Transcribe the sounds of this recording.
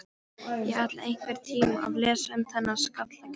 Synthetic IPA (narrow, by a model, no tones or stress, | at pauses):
jɛat̪lḛjŋ̥kvɛɾ̥t̪ʰiːmuʔa̰ðlɛːsaʏmθɛnːaðskat̪lak